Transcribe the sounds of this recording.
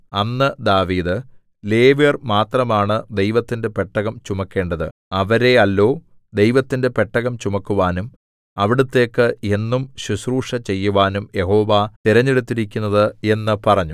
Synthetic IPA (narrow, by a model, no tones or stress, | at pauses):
ɐnːɨd̪aːʋiːd̪ɨ | le̞ːʋjɐrmaːt̪rɐmaːɳɨd̪e̞jʋɐt̪ːinde̞pe̞ʈːɐɣɐmt͡ɕumɐkːe̞ːɳɖɐðɨ̰ɐʋɐɾe̞ɐlːo̞ː | d̪e̞jʋɐt̪ːinde̞pe̞ʈːɐɣɐmt͡ɕumɐkːuʋaːnum | ɐʋiɽut̪ːe̞ːkːɨe̞nːumɕuɕruːʂɐt͡ɕe̞jːuʋaːnumje̞ɦo̞ːʋat̪iɾɐɲːeɽut̪ːiɾikʲːunːɐðɨe̞nːɨpɐrɐɲːu